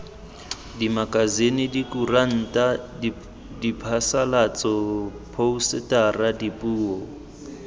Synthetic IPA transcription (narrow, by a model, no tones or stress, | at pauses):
dimakʼazenidikuran̩tʼa | dipʰasalat͡sʼɔpʰousɪtʼaradipʼuːɔ